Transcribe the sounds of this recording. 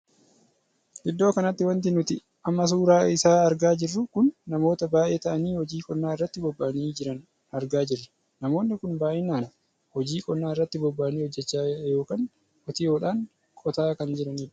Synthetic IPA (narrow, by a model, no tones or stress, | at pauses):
ʔɪd̪ːo̞ːkɐnɐt̪ːɪwɐnt̪̬ɪnʊt̪ɪ | ʔɐmːɐs̬uːɾaːɪsaːɐɾɡaːd͡ʒɪrːʊkʊnːɐmo̞ːt̪ɐbaːʔe̞ːt̪ɐʔɐniːhɔd͡ʒiːkʼɔnːaːɪrːɐt̪ːɪbɔbːaniːd͡ʒɪɾɐn | ɐɾɡaːd͡ʒɪrːɐ̥ | nɐmo̞ːnːɪkʊnbaːʔɪnaːn | hɔd͡ʒiːkʼɔnːaːɪrːɐt̪ːɪbɔbːaːniːhɔd͡ʒːɛt͡ʃːaːjo̞ːkaːn | ʔɔt̪ɪjo̞ːᶑaːn | kʼɔt̪aːkɐnd͡ʒɪɾɐniːᶑʊ̥